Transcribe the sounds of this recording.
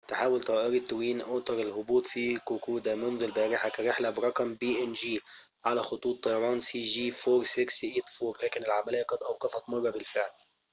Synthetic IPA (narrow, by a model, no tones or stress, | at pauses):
t̪ħaːwɪlt̪ˤɑʔɑɾit̪ːwiːnʔʊːt̪ɑɾˤɪlhʊbuːt̪ˤfikʊkuːd̪amɪnðˤɪlbaːɾɪħakaɾɪħlabɾˤɑqmbiːʔɪnʒiː | ʕalaxʊt̪ˤuːt̪ˤːɑjɑɾˤɑːnsiːʒiːfoːɾˤsɪksʔeːt̪foːɾlaːkɪnɪlʕamalaːaqɑd̪ʔawqɑfɑt̪mɑrˤːɑbɪlfɪʕl